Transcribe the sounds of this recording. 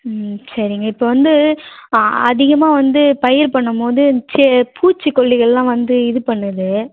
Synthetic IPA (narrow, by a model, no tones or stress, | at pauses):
sɐɾɪŋɡɐɪpːoːʋɐnd̪ɯ | ɐ̰ðɪɣɐmaːʋɐnd̪ɯpɐjɪɾpɐɳːɐmpoːðɯt͡ʃɛpuːt͡ʃːɯkːɔɭːɪɣɐɭlãːʋɐnd̪ɯɪðɯpɐɳːɯðɯ